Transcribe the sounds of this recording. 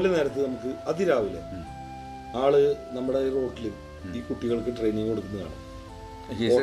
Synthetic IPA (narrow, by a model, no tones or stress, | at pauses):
lːɐne̞ːɾɐt̪ːɨnɐmukːɨɐðiɾaːʋilːḛ | aːɭɨnɐmːuɽero̞ːʈːilu | iːkuʈːiɣɐɭkɨʈrejniŋkeɽukːunːɐða̰ːɳɨ̰ | o